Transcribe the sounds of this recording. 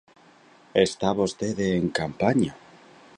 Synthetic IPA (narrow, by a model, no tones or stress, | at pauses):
est̪aβost̪eðeːŋkampaɲa